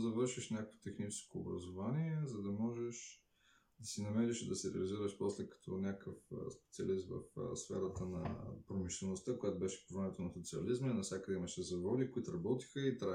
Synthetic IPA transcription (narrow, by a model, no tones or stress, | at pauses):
zɐvɤɾʃiʃnʲakəkvo̥t̪ɛxnit͡ʃɛ̥sko̰ːbɾɐ̰zovaniɛzɐd̪ɐmɔʒɛʃ | d̪ɐsinɐmɛɾɛʃid̪ɐsiɾɛ̰ɐliziɾəʃpɔslɛkɐ̥t̪ʰɔnʲakəfspɛt̪siɐ̰lismvɐ̰fsfɛ̰ɾət̪ənɐ̰pɾomiʃlɛnost̪akojat̪obɛʃɛ̥povɾɛmɛt̪onɐsot̪siɐ̰lizmɛnɐfsʲakəd̪ɛimɐʃɛzɐvɔd̪ikoit̪ʊɾɐbɔt̪i̥xəit̪ɾa